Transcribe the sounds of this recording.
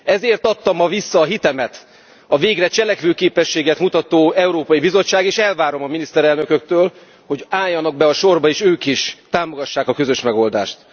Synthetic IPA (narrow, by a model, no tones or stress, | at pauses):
ɛzeːrt̪ɒt̪ːɒmːɒvisːɒːɦit̪ɛmɛt̪ | ɒveːɡrɛt͡ʃɛlɛkʋøːkeːpɛʃːeːɡɛt̪mut̪ɒt̪oːɛuɾoːpɒjibizo̞t͡ʃːaːɡeːʃɛlvaːɾo̞mɒminist̪ɛɾɛlnøkøk̚t̪øːl | ho̞ɟaːjːɒnɒɡ̚bɛɒʃo̞rbɒeːʃøːkiʃt̪aːmo̞ɡɒʃːaːkɒkø̞zøʃmɛɡo̞ld̪a̰ːʃt̪